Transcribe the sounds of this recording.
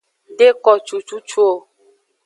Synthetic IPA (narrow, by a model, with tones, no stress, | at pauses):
ɖe˦kɔ˨t͡ʃu˨t͡ʃu˦t͡ʃu˦o˨